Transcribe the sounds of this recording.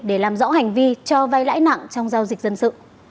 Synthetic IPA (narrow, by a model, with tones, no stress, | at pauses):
ɗe˧˩laː˨˩mzɔ̰˧˥ha˨˩jŋ̟vi˧t͡ɕɔ˧va˧jla̰ː˧˥jna̰˧˨ŋt͡ɕɔ˧wŋ͡mzaː˧wzi˨˩k̚zə˧nsɨ̰˧˨